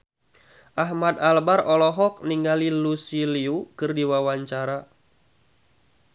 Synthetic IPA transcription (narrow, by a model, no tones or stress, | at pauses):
ʔaɦmad̪albarɔlɔɦɔk̚niŋɡalilusiliukɨrdiwawaɲt͡ʃaɾa